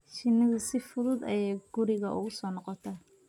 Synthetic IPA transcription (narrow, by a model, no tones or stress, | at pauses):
ʃɪnɐðʊsɪfʊðʊd̪ɐjɛjɡ̥ʊɾɪɣɐʔṵːʊsɔːnɔqɔt̪ʰɐ